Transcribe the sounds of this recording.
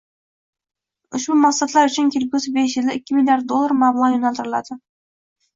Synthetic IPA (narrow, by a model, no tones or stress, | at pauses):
ʊʃbʊmɑqsɑt̪lˠɑɾɵt͡ʃʰɪnkʲʰelkʲusɪbeʃ̬jɪlɪɪkʲːɪmilʲjaɾt̪̚d̪olːˠaɾmɑblˠʁɑjonɑlˠt̪ɪɾɪlˠɑd̪ə